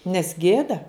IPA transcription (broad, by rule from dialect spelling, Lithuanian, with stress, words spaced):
nʲɛs ˈɡʲeːdɐ